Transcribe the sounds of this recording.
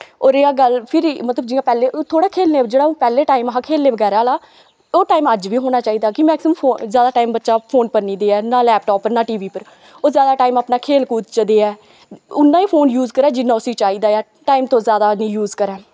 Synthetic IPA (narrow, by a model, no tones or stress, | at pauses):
oːɾeːaːɡəlpʰɪɾmət̪ləbd͡ʒɪãːpɛːleːʔot̪ʰoːɽaːkʰeːlneːd͡ʒeːɽaːũːpɛːleːʈaːɪmɦãːkʰeːlneːʋəɡɛːɾaːlaː | oːʈaːiːməd͡ʒʋiːɦoːñaːt͡ʃaːiːd̪aːkɪmɛːksɪməmpʰoːzjaːd̪aːʈaːimbətːʃaːpʰoːnpəɾnĩːd̪eːɛːnaːlɛːp̚ʈɔːpːəɾnaːʈiːʋiːpəɾ | oːzjaːd̪aːʈaːiːmaːpnaːkʰeːlkuːt̪t͡ʃəd̪eːɛː | ʊnːãːiːpʰoːnjuːzkəɾɛːd͡ʒɪnːãːʊsĩːt͡ʃaːiːd̪aːjaː | ʈaːimt̪õːzjaːd̪aːnĩːjuːzkəɾɛː